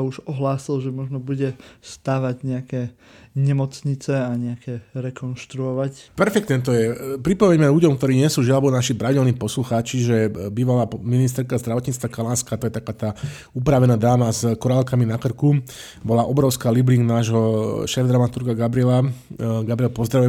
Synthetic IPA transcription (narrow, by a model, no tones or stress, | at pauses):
auʒɔɦlaːsilʒɛmɔʒnɔbuɟɛst̪aːʋaɟɲɛakɛ | ɲɛmɔt͡sɲit͡sɛaɲɛakɛɾɛkɔnʃt̪ɾuɔʋacpɛɾfɛkt̪nɛt̪ɔjɛpɾipɔʋɛɲmɛʎuɟɔmk̚t̪ɔɾiːɲɪɛsuːʒiaabɔnaʃipɾaʋiɟɛlniːpɔsluxaːt͡ʃiʒɛbiːʋalaːminis̬t̪ɛɾkazd̪ɾaʋɔt̪ɲiːt͡st̪ʋakalaːnskaːt̪ɔjɛt̪akaːt̪aː | upɾaʋɛnaːd̪aːmazkɔɾaːlkaminakr̩ku | bɔlaʔɔbɾɔʊskaːlibliŋɡnaːʒɦɔʃɛːvd̪ɾamat̪uɾkaɡabɾiɛlaɡabɾiɛlpɔzd̪ɾaʋujɛ